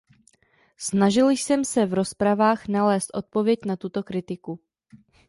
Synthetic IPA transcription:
snaʒɪlsɛmsɛvɾo̞spɾavaːxnalɛːst̪ʔo̞t̪̚po̞vjɛcnat̪ut̪o̞kɾɪt̪ɪku

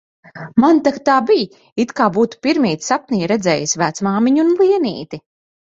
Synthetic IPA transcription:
mant̪akt̪aːbij | it̪kaːbuːt̪u̥piɾmʲiːt̪sap̚nʲijɾɛd̪zɛːjisʲvæːt̪smaːmiɲunlˠiɛnḭːt̪i

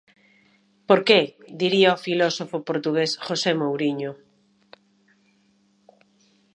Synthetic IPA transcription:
poɾked̪iɾiaɔfilɔsofopoɾt̪uɣesxosemowɾiɲo

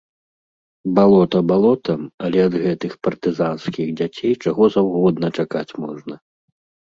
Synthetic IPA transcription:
balˠɔt̪ɐbalˠɔt̪ɐmɐlʲɛɐd̪ɣɛt̪ɨxpɐrt̪ɨzanskʲiɣd͡zʲat͡sʲejt͡ʂaɣɔzawɣɔd̪nɐt͡ʂakat͡sʲmɔʐnɐ

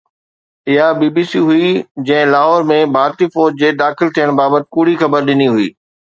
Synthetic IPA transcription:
ɪɦabiːbiːsiɦʊid͡ʑɐ̃ɦɪ̃laːɦɔːɾmẽbʱaːɾt̪ifoːɾd͡ʑd͡ʑeːd̪aːxɪlt̪ʰijəɽ̃baːbət̪ɪ̥̆kʊɽ̤ixɐbəɾɗɪniɦʊḭː

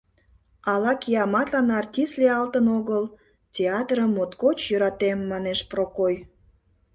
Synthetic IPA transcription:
ɑlɑkijɑmɑt̪lɑnɑrtʲist̪leɑlt̪ənoɣəl | tʲeɑt̪rəmːot̪kot͡ɕjøɾɑt̪emːɑneʃprokoj

